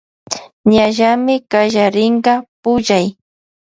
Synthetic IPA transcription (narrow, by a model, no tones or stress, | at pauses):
ɲaʒamɪkaʒaɾɪɴɢɑpʊʒaj